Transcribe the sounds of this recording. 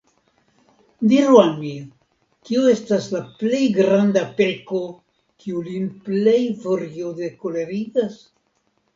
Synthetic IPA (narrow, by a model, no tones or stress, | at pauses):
diɾualmi | kioe̞staslaple̞jɡɾandape̞lko̞ | kʰiulinple̞jvoɾiode̞kole̞ɾiɡas